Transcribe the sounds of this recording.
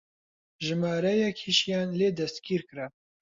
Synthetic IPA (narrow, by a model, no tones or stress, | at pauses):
ʒɨmaːɾɛjɛkʰhiʃjaːnleːd̪ɐst̪kiːɾkɨɾɛ